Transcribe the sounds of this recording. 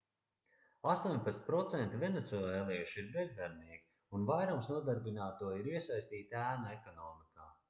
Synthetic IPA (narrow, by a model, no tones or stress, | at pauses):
ast̪uɔɲpat̪pɾɔt̪sɛnt̪ivʲɛnet̪suɛlɛlˠɛjuʃiɾbɛzd̪aɾniɛkʲi̥ | unvajɾumsnuɔd̪aɾbinaːt̪uɔiɾiɛsajst̪iːt̪æːnaɛkɔnɔːmikaː